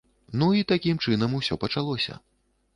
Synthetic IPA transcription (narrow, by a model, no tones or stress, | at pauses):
nuit̪akʲimt͡ʂɨnɐmusʲɔpɐt͡ʂalˠɔsʲɐ̰